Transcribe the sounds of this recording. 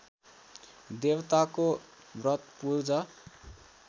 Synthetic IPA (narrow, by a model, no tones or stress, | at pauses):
d̪ewt̪ako | brʌt̪purd͡zʌ